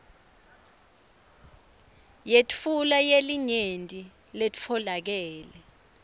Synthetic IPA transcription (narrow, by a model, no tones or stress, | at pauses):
jetʰulajeliɲentʼi | lett͡fʰɔlak̬ɛːlɛ